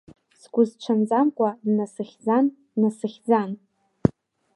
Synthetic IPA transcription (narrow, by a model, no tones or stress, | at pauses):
sɡʷʊzʈ͡ʂʷʰand͡zʼamkʷʼadnasɨχʲd͡zan | nasɨχʲd͡zan